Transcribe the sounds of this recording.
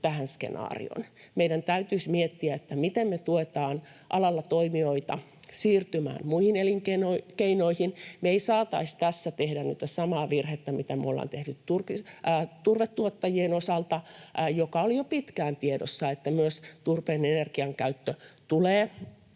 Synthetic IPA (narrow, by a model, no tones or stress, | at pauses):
t̪æhænskḛnɑ̰ːrḭo̰n | meijdænt̪æyt̪yismiet̪ːiæet̪ːæmit̪emmet̪uet̪ɑːn | ʔɑlɑlːɑt̪oimioit̪ɑ̰ | siːrt̪ymæ̰ːmmuihineliŋkenoikeinoihinmeeisɑːt̪ɑ̰ist̪æsːæt̪ehdænnyt̪æsɑmɑːʋirhet̪ːæmit̪æmolːɑ̰ːnt̪ehnytt̪urkit̪urʋet̪ːuot̪ːɑjienosɑlt̪ɑjokɑoljopit̪kæːnt̪iedo̰sːɑet̪ːæmyøst̪urpeːnenerɡiɑŋkæyt̪ːøt̪uleː